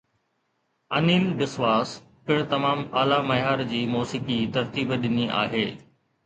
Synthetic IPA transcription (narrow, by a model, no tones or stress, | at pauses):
ɐniːlbɪsʋaːs | pɪɽ̃t̪ɐmaːmaːlamɐjaːɾd͡ʑiːmoːsiːkit̪ɐɾt̪iːbɗɪniʔa̰ːɦeː